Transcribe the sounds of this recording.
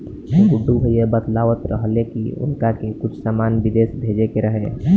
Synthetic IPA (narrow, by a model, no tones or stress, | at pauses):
eɡʊɖʱːubʱəiebət̪laːʋət̪ɾəɦəlekiʊ̰nkakekʊt͡ʃʰsaːmaːnbid̪eːsbʱeːd͡ʒekeɾəɦe